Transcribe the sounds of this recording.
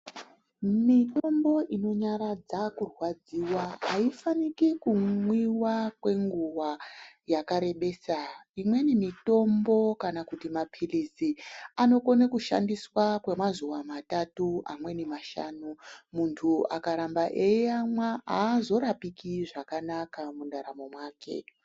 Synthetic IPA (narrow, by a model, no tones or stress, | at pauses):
mitombo̞ʔino̞ɲaɾad͡zakurwad͡ziːwaɦaifanikikuŋwiwakwe̞ŋɡuwajakaɾe̞ɓe̞ːsaimwe̞nimito̞mbo̞kanakutimapʰilisiano̞ko̞nekuʃa̰ndiswakwe̞mazuwamatatua̰mwe̞nemaʃa̰numuntʰuakaɾambaʔejeamwaaːzo̞ɾapikiʐakanakamundaɾamomwaːke̞̰